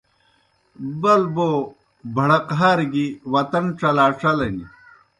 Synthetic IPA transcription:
bɐlbo | bʱɐɽɐqɦaːɾɡiwɐt̪ɐnʈ͡ʂɐlaːʈ͡ʂɐlɐnḭ

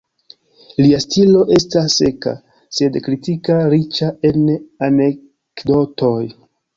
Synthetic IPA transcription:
liastilo̞ʔe̞stasːe̞ka̰ | se̞dkɾitikaɾit͡ʃae̞nane̞ | kdo̞to̞j

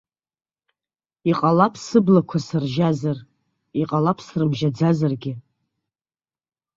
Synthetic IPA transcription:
iqʼalapʰsɨblakʷʰasɨrʒazar | iqʼalapʰsrɨmʒad͡zazarɡʲɪ

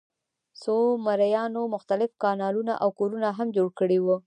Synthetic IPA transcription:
somaɾajɑnomʊxt̪alɪfkɑnɑluna̰ʔawkoɾunaɦamd͡ʒoɽkəɽewu

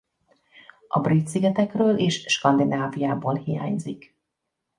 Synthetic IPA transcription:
ʔɒ̰brit̪siɡɛt̪ɛkrøːleːʃʃkɒnd̪inaːvijaːboːlhija̰ːɲzik

